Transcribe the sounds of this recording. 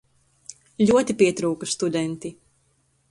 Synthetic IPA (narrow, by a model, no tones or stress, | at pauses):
lʲuɔt̪ipiɛt̪ɾuːkust̪ud̪ɛnt̪i